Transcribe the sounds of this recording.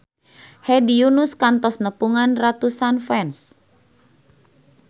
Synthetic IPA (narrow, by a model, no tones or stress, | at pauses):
hɛdiunuskant̪ɔsnəpuŋanrat̪usanfɛns